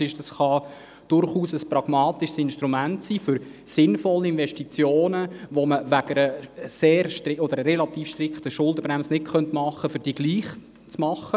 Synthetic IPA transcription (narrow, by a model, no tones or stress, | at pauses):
ɪʃd̥ɑsχɑ | d̥ʊɾχuːsəsprɑɡ̥mɑːt̪ɪʃsɪnʃtɾumæntsiːfʏɾ | sɪnfɔlːəɪnvɛʃtit͡sjoːnəʋoməʋæɡ̥əɾəseːɾʃtɾɪɔd̥̪əɾəːɛlɑt̪iːfʃtrɪkχtəʃʊldəbɾæmsnɪtχœntmɑχːəfʏd̥iɡ̥liːχ | t͡smɑχːə